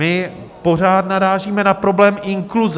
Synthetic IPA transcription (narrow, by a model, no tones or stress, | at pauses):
ɪpo̞raːt̪naɾaːʒiːmɛnapɾo̞blɛːmɪŋkluz